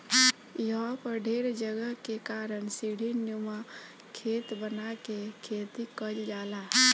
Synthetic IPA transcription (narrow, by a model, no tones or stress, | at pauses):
jɦapəɾɖʱeːɾd͡ʒəɡəɦkekaːɾənsiɽ̤ʱinjuma | kʰeːt̪bənakekʰeːt̪ikəd͡ʒd͡ʒaːla